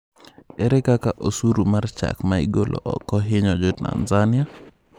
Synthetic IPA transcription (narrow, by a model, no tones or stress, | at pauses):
ɛɾɛkakaʔosuɾumart͡ʃa̰kmaḭɡolʔo̰ʔɔ̰kɔɦɪɲɔd͡ʒɔta̰nzanɪa